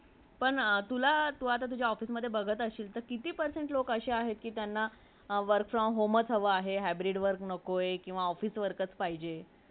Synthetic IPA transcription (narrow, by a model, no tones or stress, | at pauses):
pəɳt̪ulat̪uɦat̪̬at̪̬ud͡ʑʱjaɔfiːsməd̪ʱːjebəɡʱət̪əɕiːlt̪əɾkit̪iːpəɾseɳʈlokəɕeaɦet̪̚kiːt̪janːa | ʋəɾkfɾɔmɦomət͡sɦəʋəaɦeɦæbɾiɖʋəɾknəkojkĩw̃ʋaɔfiːsʋəɾkət͡spaɦid͡ʑe